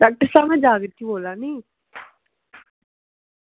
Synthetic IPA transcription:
ɖaːk̚ʈəɾsaːmɛ̃ːd͡ʒaːɡəɾt̪ʰiboːlãːniː

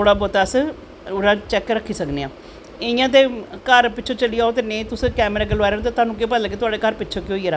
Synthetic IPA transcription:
t̪oːɽaːbɔːt̪aːs | ɾãːt͡ʃɛːkɾəkʰːiːsəkneːãː | eɪjãːt̪eːkəɾpɪtːʃʰõːt͡ʃəliaːoːt̪eːnet̪ʊsːkɛːmɾaːk̬elʋaːɾt̪eːt̪ʊaːnũːkepəlkeːt̪ʊaːɖeːkəɾpɪːt͡ʃʰoːkɪoːiːɾaː

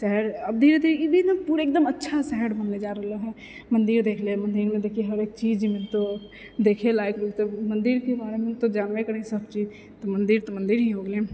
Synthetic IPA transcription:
sɛɦɾɐb̚d̪ʱiːɾed̪iɾjibʱinɐpuːɾeːk̚d̪əmɐtːʃʰasɛɦɛɖbɐnled͡ʒaːɾəɦloɦɛ | mɐ̃nd̪iɾd̪eːkʰlemɐ̃nd̪iːɾmẽd̪eːkʰieɦɐɾeːk̚t͡ʃiːd͡ʒimẽnt̪o | d̪eːkʰelaːekloːɡt̪emɐ̃nd̪iɾkebaːɾemẽt̪od͡ʒaːnʋekɐɾẽsɐbt͡ʃiːd͡ʒ | t̪omɐ̃nd̪iːɾt̪omɐ̃nd̪iɾɦiɦoːɡleː

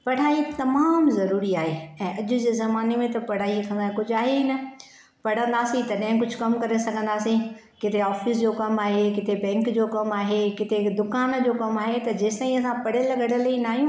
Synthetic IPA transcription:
pɐɽ̤aːit̪ɐmaːmzɐɾuːɾiaːɦeɛ̃ːʔɐʄʊ̆d͡ʑeːzɐmaːnemẽt̪ɐpɐɽ̤aːikʰɐ̃nd̪ãkʊd͡ʑʱaːɦeɦiːnɐ | pɐɽ̤ə̃nd̪aːsĩt̪ɐɗɐ̃ɦɪ̃kʊd͡ʑʱʊkɐmkɐɾesɐɡʱə̃nd̪aːsẽ | kɪt̪ʰeɔːfɪs̬d͡ʑoːkɐmaːɦekɪt̪ebɛ̃ːŋkd͡ʑoːkɐmaːɦekɪt̪ʰed̪ʊkaːnd͡ʑoːkɐmaːɦet̪ɐd͡ʑeːst̪aːiɐ̃sãpɐɽ̤elɐɡəɽəlɐĩnaːɦijũː

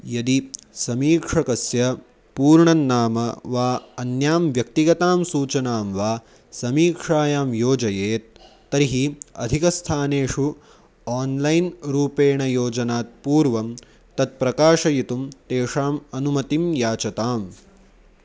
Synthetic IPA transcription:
jɐd̪isɐmiːkʂɐkɐsjɐ | puːɾɳɐnːaːmɐʋaːɐnjaːmʋjɐk̚t̪iɡɐt̪aːmsuːt͡ʃɐnaːmʋaː | sɐmiːkʂaːjaːmjoːd͡ʒɐjeːt̪̚ː | ɐɾiɦiɐ̰d̪ʱikɐst̪ʰaːneːʂu | aːnlɐjnɾuːpeːɳɐjoːd͡ʒɐnaːt̪̚puːɾʋɐm | t̪ɐt̪̚pɾɐkaːʂɐjit̪umt̪eːʂaːmɐnumɐt̪imjaːt͡ʃɐt̪aːm

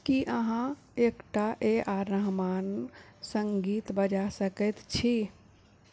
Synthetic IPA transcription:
kiʔəɦã | ekʈaʔeʔaɾəɦmansəŋɡit̪bəd͡ʒasəkɛt̪t͡ʃʰi

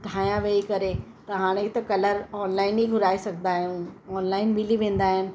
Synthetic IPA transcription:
ɖʱaːjãʋeːikɐɾe | t̪ɐɦaːɽ̃ek̚t̪ɐkɐləɾɔːnlaːɪniɡʱʊɾaːisɐɡʱnd̪aːɦũɔːnlaːɪnmɪliʋẽːnd̪aːɦɪnɪ̆

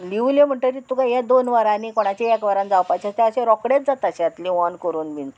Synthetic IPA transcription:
liʋlẽm̤əɳʈəɾit̪ukajad̪onʋaɾãnikɔɽ̃at͡ɕeɛkʋəɾãnd͡zawpajt͡ɕast̪eəɕẽɾɔkɽet͡sd͡zat̪aɕẽat̪lĩʋɔnkəɾuːnmin

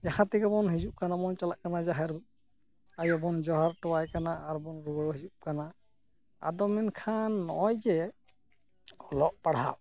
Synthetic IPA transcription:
d͡ʒahãt̪iɡabɔnɦizup̚kanamɔnt͡ʃalaʔkanazaɦɛɾ | ajɔbɔnd͡ʒɔɦaɾtɔwajkanaʔaɾbɔnɾuɡɔɾɔhid͡ʒup̚kana | a̰d̪ɔminkʰanːɔɔjd͡ʒɛ | ɔlɔʔpaɽ̤aw

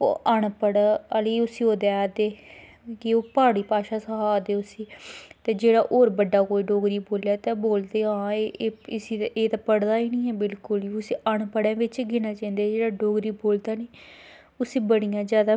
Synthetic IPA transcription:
o̰ːʔəɳpəɽaəliʊsiːoːd̪ad̪eː | kɪoːpaːɽiːpaːʃaːsəɦaːd̪eːʊsiːt̪eːd͡ʒeːɽaːʔoːɾbəɖːaːkoːiːɖoːɡɾiːboːljaːt̪ẽːboːld̪eːɦãːɪsiːeːt̪aːpəɽd̪aːiːnĩːɛːbɪlkʊliːʊsiːʔəɳpəɽãːʋɪt͡ʃɡɪnaːt͡ʃãːĩnd̪eːd͡ʒeːɽaːɖoːɡɾiːboːld̪aːneː | ʊsiːbəɽijãːd͡ʒjaːd̪aː

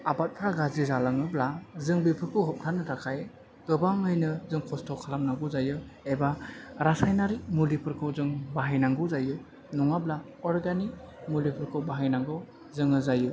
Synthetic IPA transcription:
abat̚pʰaɡazizalaŋɯblazɯŋbipʰɯkʰɯɦɔp̚tʰanɯtʰakʰaj | ɡ̥ɯbaŋɯjnɯzɯŋkʰɔstʰɔkʰalamnaɡɯzajɯ | ebaɾasajnaɾik̚mulipʰɯɾkʰɯzɯŋbaɦajnaŋɡɯzaju | nuŋabla | ɔɾɡanik̚ | mulipʰɯɾkʰɯbaɦajnaŋɡɯw | zɯŋɯzaju

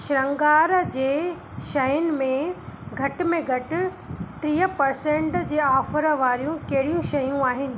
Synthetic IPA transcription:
ʃɪɾɐ̃ŋɡaːɾd͡ʑeː | ʃɐjʊnɪ̆mẽɡʱɐʈ̆mẽɡʱɐʈɪ̆ | t̪ɾiːɦəpɐɾsẽɳʈd͡ʑeːaːfəɾəʋaːɾijũkɐɦɪɽijũʃɐjũaːɦɪnɪ̆

